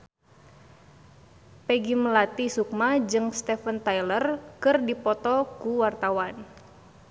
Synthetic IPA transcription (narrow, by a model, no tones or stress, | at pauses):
pɛɡimlat̪isuk̚mad͡ʒɨŋst̪ɛfənt̪ajlərkɨrdipɔt̪ɔkuwart̪awan